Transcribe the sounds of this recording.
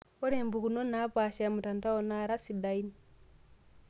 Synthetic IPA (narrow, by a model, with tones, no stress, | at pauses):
ɔ˦ɾe˨mbu˨ku˨no˦na˨˦pa˨ʃa˨mu˨ta˨nta˦ɔ˨na˦ɾa˦si˨da˨i˦ni